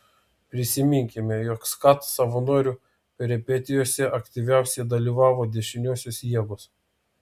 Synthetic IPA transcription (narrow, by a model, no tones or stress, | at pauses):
pʲɾʲɪsʲɪmʲɪŋʲkʲɪmʲɛjɔkskɑt̪sɐʋɐnoːɾʲu | pʲɛɾʲɛpʲɛt̪ʲɪjoːsʲɛʔɐkt̪ʲiʋʲæˑʊsʲɛd̪ɐlʲiːʋɑːʋoːd̪ʲɛʃʲɪnʲoɔsʲosjiɛɡoːs